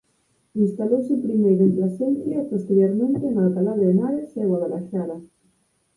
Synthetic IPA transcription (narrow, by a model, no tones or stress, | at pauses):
inst̪alowsepɾimejɾent̪lasenθjapost̪eɾjoɾmẽnt̪enaapalaβɾaðemaɾeseɣwaðelaʃala